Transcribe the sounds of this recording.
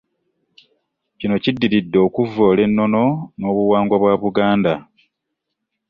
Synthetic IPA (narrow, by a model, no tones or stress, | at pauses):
cino̞cidːiɾidːo̞ːkuvo̞ːle̞nːo̞no̞no̞ːβuwaːŋɡwaβwaːβuɡaːnda